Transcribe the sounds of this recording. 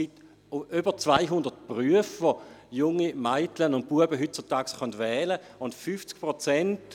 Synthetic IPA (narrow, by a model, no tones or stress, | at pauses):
sɡ̥it | ybət͡svaɪɦʊndət̚pʁyəfʋojʊŋːimaɪtlənʊnt̚puəbəɦyt̚t͡sʊtaːɡsχœndvɛːlə | ʊntfyft͡sk̚pʁot͡sɛnt